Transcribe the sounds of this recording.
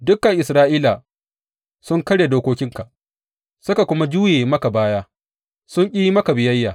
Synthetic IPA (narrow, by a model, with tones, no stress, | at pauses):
dʊ˦kːɐ˨ŋʔɪ˨sɾaː˦ʔiː˦la˨ | sʊ˦ŋkɐ˦ɽjeː˨doː˦kʷoː˦kʲɪ˦ŋka˨ | sʊ˦ka˨kʷʊ˦ma˦d͡ʒuː˦jeː˨mɐ˦ka˨baː˦jaː˦ | sʊ˦ŋkʲʼiː˦ji˦mɐ˦ka˨bɪ˨jɐ˦jːa˨